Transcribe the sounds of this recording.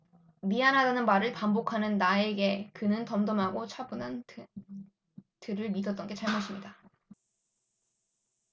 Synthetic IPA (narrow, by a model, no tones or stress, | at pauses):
mianɦadanɯnmaɾɯɭpambokʰanɯnːae̞ɡe̞kɯnɯntʌmdʌmɦaɡot͡ɕʰabunan | tɯɾɯɭmidʌt͈ʌnɡe̞t͡ɕaɭmʌɕ͈ʰimɲida